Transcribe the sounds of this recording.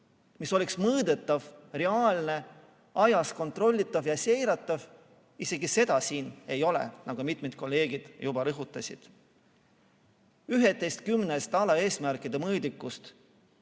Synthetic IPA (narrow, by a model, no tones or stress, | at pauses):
miso̞liksmɤːd̪e̞t̪ːˑɑvre̞ɑːlne̞ | ɑjɑsko̞nt̪ro̞lʲːit̪ˑːɑvjɑse̞jɾɑt̪ːˑɑv | ise̞ɡise̞d̪̥ɑsiːne̞jo̞lḛnɑɡ̥umit̪med̪̥̚ko̞lːe̞ːɡ̥id̪̥jubɑɾɤɦut̪ːˑɑsʲḭd̪̥ | yɦet̪ːˑe̞jst̪̚kymnest̪ɑlɑe̞ːsmærkˑid̪emɤːd̪ikːˑust̪